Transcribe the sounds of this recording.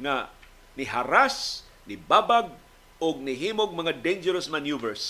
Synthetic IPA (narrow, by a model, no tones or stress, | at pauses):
ŋa | nɪɦaɾas | nɪbabaɡ̚ | ʊɡ̚nɪɦimoɡ̚maŋad̪end͡ʒɛɾasmanjuvɛɹs